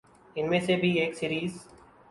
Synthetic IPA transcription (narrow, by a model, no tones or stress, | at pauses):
ɪnmẽːseːbʱiːeːksiːɾiːz